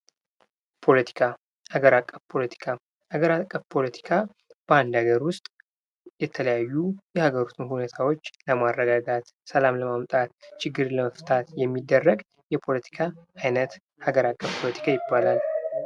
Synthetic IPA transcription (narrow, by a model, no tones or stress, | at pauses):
pʰo̞lət̪ʰi̥kʰa | haɡəɾakʼːəfpʰo̞lət̪ʰi̥kʰa | haɡəɾakʼːəfpʰo̞lət̪ʰi̥kʰa | b̥əand̪aɡəɾwʊst̪ʼ | jɛt̪ʰələjajːujɛhaɡəɾut̪ʰunhunet̪ʰawo̞t͡ʃːləmaɾːəɡaɡat̪ | səlamləmamt̪ʼat̪̚t͡ʃʰɪɡːɨɾləməft̪ʰat̪jɛmːid̪ːərːəɡ | jɛpʰo̞lət̪ʰi̥kʰaajnət̪ | haɡəɾakʼːəfpʰo̞lət̪ʰi̥kʰajɪbːalal